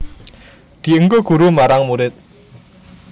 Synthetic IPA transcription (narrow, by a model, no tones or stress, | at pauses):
d̪̥i̤əŋɡoɡ̥ṳɾumaɾaŋmuɾɪt̪̚